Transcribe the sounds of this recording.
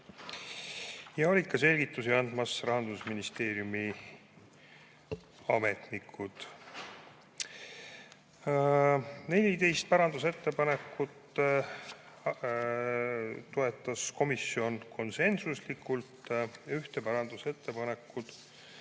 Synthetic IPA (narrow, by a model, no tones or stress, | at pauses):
jɑolʲikːɑse̞lʲɡit̪ːˑusiɑnd̪̥mɑsrɑɦɑnd̪usminist̪e̞ːɾjumi | ɑmet̪nikʰːud̪̥ | ne̞lʲit̪e̞jst̪̚pæɾɑnd̪̥use̞t̪ːe̞pɑne̞kːˑut̪ː | t̪oe̞t̪ːˑɑsko̞misio̞nkʰo̞nse̞nsuslikːˑult̪yht̪e̞pæɾɑnd̪̥use̞t̪ːe̞pɑne̞kːˑud̪̥